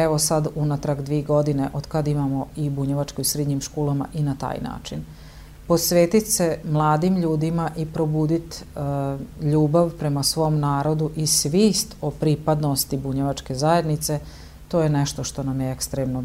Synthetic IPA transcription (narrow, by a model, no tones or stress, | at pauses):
eʋo̞sad̪unat̪ɾaɡd̪ʋieɡo̞d̪ine̞ʔod̪kad̪imamo̞ibuɲeʋat͡ʃkoisɾed̪ɲimʃkoːlama̰ʔinat̪a̰ːjna̰ːt͡ʃin | po̞sʋeːt̪it̪semlˠaːd̪imʎuːd̪imaʔipɾo̞buːd̪it̪ | ʎuːbaʋpɾe̞masʋo̞mnaːɾo̞d̪uʔisʋiːst̪opɾipad̪nost̪ibuɲeʋat͡ʃke̞zaje̞d̪nit̪se̞ | t̪o̞ːjeneʃt̪o̞ʃt̪o̞namjeekst̪ɾeːmno